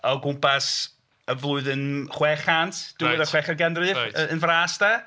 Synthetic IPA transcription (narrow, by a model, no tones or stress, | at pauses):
ɔɡʊmpʰas | əvlˠʊɨðɨnχwɛːχantʰd̥uɛðəχwɛχərɡɛnrɨənvraːsd̥a